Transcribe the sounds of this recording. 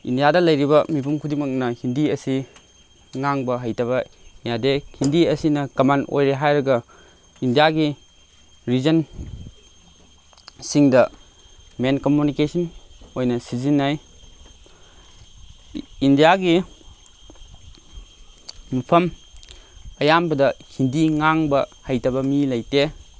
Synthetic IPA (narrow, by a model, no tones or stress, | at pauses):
ḭndijadɐlɐjɾibɐmipʰumkʰudimɐk̚nɐhindiɐsi | ŋaŋbɐɦɐjtʰɐβɐjadehindiɐsinɐkɐmano̰jɾeɦajɾɐɡɐ | indijaɡi | ɾizɐn | siŋdɐ | menkomjunikesʰɐnojnɐsizinːaj | indijaɡi | mupʰɐm | ɐjambɐdɐkʰindiŋaŋbɐhajtɐbɐmilɐjte